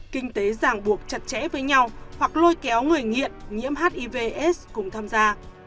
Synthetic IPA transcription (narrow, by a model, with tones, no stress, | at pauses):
kï˧ŋ̟t̪e˨˦zaː˨˩ŋɓu˨˩ək̚t͡ɕə˨˩t̚t͡ɕɛ̰˧˥vəː˨˦jɲa˧whwa˨˩k̚lo˧jkɛ˨˦wŋɨ˨˩əjŋḭ˧˨ənɲḭ˧˥əmɦaː˦˥t̚ʔi˧ve˧ʔɛ˦˥skʊ̰˨˧˩ŋ͡mt̪ʰaː˧mzaː˧